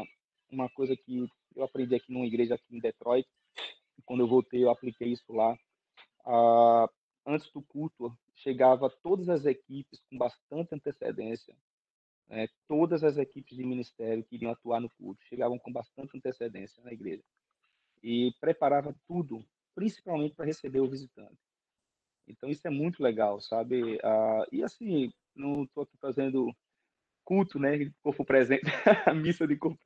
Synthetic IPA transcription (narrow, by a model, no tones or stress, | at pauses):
ũmɐkojzɐkɪ | ewapɾẽnd̪iakinũmɐiɡɾeʒɐakiĩd̪ɛt̪ɾɔjt̪ɪ̥ | ɪkwɐ̃nd̪ʊewvowt̪ejewaplikejisʊla | a | ɐ̃nt̪ɪ̥zd̪ʊkut̪uɐ | ʃeɡavɐt̪od̪ɐzɐzekipɪskõbast̪ɐ̃nt̪ɪɐ̃nt̪esḛd̪ẽsjɐ̰ | nɛt̪od̪ɐzɐzekipɪzd͡ʒɪmĩnist̪ɛɾjʊkɪiɾiɐ̃at̪uaɾnʊkṵɾt̪ʊ̥ʃeɡavɐ̃w̃kõbast̪ɐ̃nt̪ɪɐ̃nt̪esed̪ḛ̃sjɐnɐiɡɾeʒɐ | ɪpɾɛpaɾavɐt̪ud̪ʊ | pɾĩsi̥pawmẽnt̪ɪpɾɐɦesebeɾʊvizit̪ɐ̰̃t̪ɪ̥ | ḛ̃t̪ɐ̃w̃isʊɛmũj̃t̪ʊlɛɡawsabɪaɪasĩ | nɐ̃w̃t̪oakifazẽnd̪ʊ | kult̪ʊnɛkoɾpʊpɾɛzẽt̪ɐmisɐd̪ɪkoɾpʊ